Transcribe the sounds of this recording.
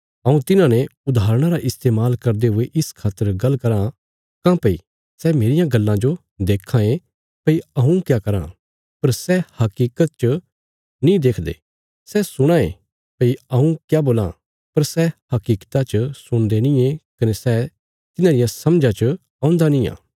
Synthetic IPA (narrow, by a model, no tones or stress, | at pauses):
ɐũt̪ɪnãneʊd̪aːɾəɽ̃aɾaʔɪst̪eːmaːlkɐɾd̪eɦʊeʔɪskʰaːt̪ːəɾɡɐlːkɐɾã | kãːpɐḭ | sɛmeːɾɪjãɡɐlːãd͡ʒo | d̪eːkʰãẽ | pɐiɐɦũkjaːkɐɾã̰ | pɐɾsɛhɐkiːkət̪̚t͡ʃə | nĩd̪eːkʰd̪ḛː | sɛsʊɽ̃aḛ̃ | pɐiɐũkjaboːlã̰ | pɐɾsɛhɐkiːkt̪at͡ʃəsʊɽ̃d̪enɪ̃ẽkɐnesɛ | t̪ɪnãd̪ɪijãsɐmd͡ʒãt͡ʃə | ãːʊ̃nd̪anĩjã̰ː